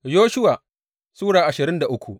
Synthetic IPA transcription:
joː˦ʃʊ˦waː˨ | suː˦ɽaː˨ʔa˨ʃɪ˨ɾɪ˦nda˨ʔʊ˦kʷu˨ʔ

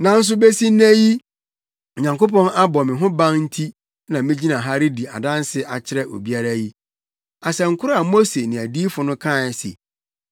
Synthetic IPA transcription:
nã˨n̩˦s̬ʊ˦be˦si˦næ̃˦ji˦˨ | ɲã˨ŋko˦pɔ̃˦na˦bɔ˨mɪ̃˨ɦʊ̃˦bã˦ŋn̩˦tʰi˦ | nã˨mɪ̃˦d͡ʑi˦nã˨ɦa˦ɾɪ˦di˨a̰˨dã˦n˦sɪ˦ʔa˨t͡ɕʰɪ˦ɾɛ˦ʔo̰˨bi˦a˦ɾa˦ji˦ | a˨sɛ˨ŋ̩˨kʰʊ˦ɾʊ˦a˨mo˦se˨nɪ̃˨æ˨diː˦fʊ˨nʊ̃˦kʰã˦˨sḛ˨

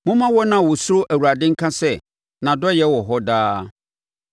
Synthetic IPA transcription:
mʊ̃˦mã˦wɔ˦nã˨wɔ˨sʊ˦ɾo˦ʔæ˨wu˨ɾa˨dɪ̃˦ŋ̩˦kʰã˦sɛ˦˨ | nã˨dɔ˦jɛ˦wɔ˨ɦɔ˦daː˦

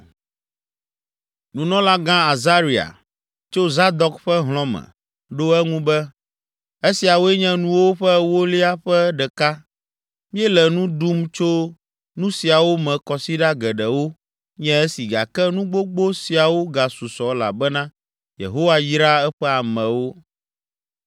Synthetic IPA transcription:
nũ˨nɔ̃˦la˦ɡã˦a˨za˦ɾi˨a̰˨ | t͡ʃo˦za˦d̪ɔ˦kɸɛ˦ɦl̃ɔ̃˦mɛ̰̃˨ | ɖo˦ɛ˦ŋũ˦bɛ˦ | e˦si˨a˨wo˦ɛ˦ɲɛ̃˦nũ˦wo˦ɸɛ˦wo˦li˦a˦ɸɛ˦ɖɛ˨ka˦ | mĩ˦ɛ˦lɛ˨nũ˦d̪u˦mt͡ʃo˦ | nũ˦si˨a˨wo˦mɛ̃˨kɔ˨si˦ɖa˦ɡɛ˨ɖɛ˨wo˦ | ɲɛ̃˦e˦si˨ɡa̰˨kɛ˦nũ˦ɡ͡bo˦ɡ͡bo˦si˨a˨wo˦ɡa˨su˨sɔ˨la̰˨bɛ˦nã˦ | jḛ˨ɦo˦wa˦ji˦ɾa˦ɛ˦ɸɛ˦a˨mɛ̃˨wo˦

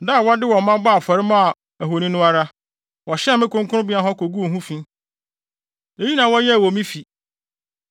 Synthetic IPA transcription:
da˦˨wɔ˦dɪ˦wɔ̃˨mːã˦ba˦˨fɔ˨ɾɪ˦mã˦a˨ | æ˨ɦo˨nĩ˦nʊ̃˦a˦ɾa˦ | wɔ˨ɕɪ˦a˦˨mɪ̃˦kʰʊ̃˦ŋkʰʊ˦ʊ̃˦bi˦a˦ɦɔ˦kʰo˨ɡu˦o˨ɦũ˦fĩ˦ | e˦ji˦nã˨wɔ˦jɛ˦˨wɔ˨mĩ˦fi˨

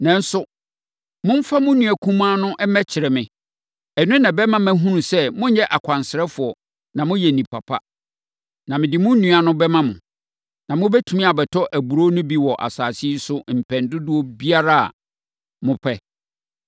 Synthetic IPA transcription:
nɛ̃˨n̩˦sʊ˦ | mʊ̃˦m̩˦fa˦mʊ̃˦nũ˨æ˨kʰũ˦m˦a˦nʊ̃˦ʔɛ˦mɛ̃˦t͡ɕʰɪ˨ɾɛ˨mɪ̃˦ | ɛ˨nũ˦nã˨bɛ˦mã˦mæ̃˦ɦũ˦nũ˨sɛ˦mʊ̃˦ɲɛ˦ʔa˨kʷʰã˨nsɪ˨ɾɛ˦fʊ˨ɔ˨ | nã˨mʊ̃˦jɛ˨nĩ˨pʰa˨pʰa̰˦ | nã˨mɪ̃˨dɪ˨mʊ̃˦nũ˨˦a˨nʊ̃˦bɛ˦mã˦mʊ̃˨ | nã˨mʊ̃˦bɛ˦tʰũ˨mĩ˦a˨bɛ˨tʰɔ˦ʔæ˨bu˨ɾo˦nʊ̃˦bi˦wɔ˨ʔa̰˨saː˨si˦sʊ˦m̩˨pʰɛ̃˨ndʊ˦dʊ˦ɔ˦bi˦a˦ɾa˦a̰˨ | mʊ̃˦pʰɛ˦

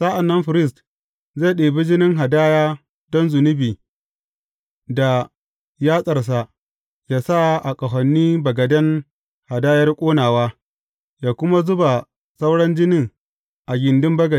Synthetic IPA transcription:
sa˦ʔa˨nːɐ˦mɸɪ˨ɾɪ˦s̬t | ze˦˨ɗeː˨bɪ˦d͡ʒɪ˦nɪ˦ŋɦa˨daː˦jaː˦ | dɔ˦nzʊ˨nʊ˦biː˨ | da˨ | jaː˦sʼɐ˨rs̬a˨ʔ | jaː˦sa˦ʔa˨kʼɐ˨ɦɐ˨nːiː˦bɐ˨ɡɐ˨dɐ˦ŋ | ha˨daː˦jɐ˦rkʷʼoː˦naː˨waː˦ | jaː˨kʷʊ˦ma˦zʊ˦ba˨ | sa˦wɽɐ˦nd͡ʒɪ˦nɪ˦˨ŋ | ʔa˨ɡʲɪ˨ndɪ˦mbɐ˦ɡɐ˨˦

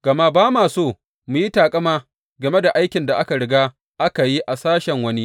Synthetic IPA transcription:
ɡ̥ɐ˨ma˦baː˦maː˨soː˦˨ | mu˨ji˦taː˨kʼɐ˦maː˦ | ɡɐ˨me˦da˨ʔa˦jkʲɪ˨nda˨ʔa˦ka˨ɽɪ˨˦ɡaː˦ | ʔa˦ka˨ji˦ʔa˨saː˦ʃɛ˨ŋwɐ˦ni˦

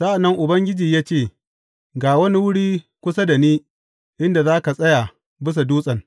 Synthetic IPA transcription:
sa˦ʔa˨nːɐ˦ŋʔʊ˨bɐ˦ŋɡʲɪ˦d͡ʒiː˨jaː˦t͡ʃeː˦˨ | ɡaː˨wɐ˦ni˦wʊ˦ɽiː˦ | kʷʊ˦sa˦da˨niː˦ | ʔɪ˦nda˨zaː˦ka˨sʼɐ˦ja˨ | bɪ˦s̬a˨duː˦sʼɐ˨ŋ

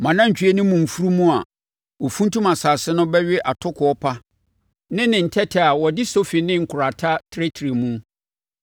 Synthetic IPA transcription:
mã˨nã˦ɲ̩˨t͡ɕᶣɥe˦nʊ̃˦mũ˨m̩˨fu˦ɾu˦mũ˦a˨ | ɔ˨fũ˦n˦tʰũ˦mã˨saː˨sɪ˦nʊ̃˦bɛ˦ɥɪ˦ʔa˨tʰʊ˦kʰʊ˨ɔ˦pʰa˦ | nɪ̃˦nɪ̃˨n̩˨tʰɛ˦tʰɪ˨a˨wɔ˨dɪ˦so˦fi˨nɪ̃˦ŋ̩˨kʰʊ˨ɾa˨tʰa˦tʰɾe˦tʰɾe˨mũ˦

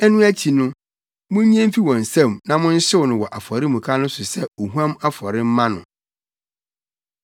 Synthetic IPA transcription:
ɛ˦nʊ̃˦æ˦tʰi˨nʊ̃˦ | mʊ̃˦ɲ˦ɲ˦ɛ̃˦m̩˦fi˦wɔ̃˨n̩˨sɛ̃˦˨mnã˨mʊ̃˦n̩˦ɕɪ˦wnʊ̃˨wɔ˨ʔa˨fɔ˨ɾɪ˦mũ˨kʰa˦nʊ̃˦sʊ˨sɛ˦o˨ɦu˦ã˦ma˦fɔ˨ɾɪ˦m̩˦mã˦nʊ̰̃˨

